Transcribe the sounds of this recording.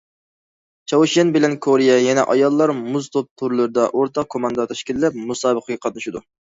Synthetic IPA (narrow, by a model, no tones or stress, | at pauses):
t͡ʃʰɑwɨʃɛnbɪlɛnkʰoɾijɛjɛnɛ̰ʔɑjɑlˠːɑɾmuzt̪ʰop̚t̪ʰuɾlˠɨɾɨd̪ɑʔoɾt̪ʰɑq̚kʰomɑnd̪ɑt̪ʰɛʃkʲillɛp̚musɑːbəqʰəɡʲɛqʰɑt̪̚nɨʃid̪u